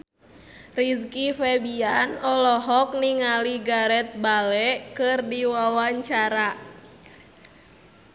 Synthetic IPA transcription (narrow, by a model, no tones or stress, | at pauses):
riskifɛbianɔlɔɦɔk̚niŋaliɡaɾɛt̪̚balɛkɨrdiwawaɲt͡ʃaɾa